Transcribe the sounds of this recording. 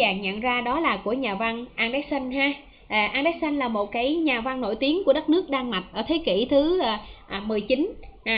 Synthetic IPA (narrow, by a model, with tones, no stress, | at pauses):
aː˨˩ŋɲə̰˧˨nzaː˧ɗɔ˨˦laː˨˩ku˧˩əɲaː˨˩va˧ŋʔaː˧ŋɗa˨˦˥j̚sa˧ŋ̟haː˧ | ʔʔaː˧nɗaː˨˦˥j̚sa˧ŋ̟laː˨˩mo˨˩t̚kaː˨˦jɲaː˨˩va˧ŋno̰˧˩jt̪i˨˦əŋku˧˩əɗə˦˥t̚nɨ˦˥ək̚ɗaː˧ŋma˨˩t̚ʔəː˧˩t̪ʰe˨˦kḭ˧˩t̪ʰɨ˨˦˨ʔmɨ˨˩əjt͡ɕi˨˦nː˨˩